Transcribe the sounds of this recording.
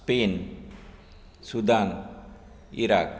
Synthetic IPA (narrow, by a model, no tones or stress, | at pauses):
pen | sud̪an | iɾa̰k̚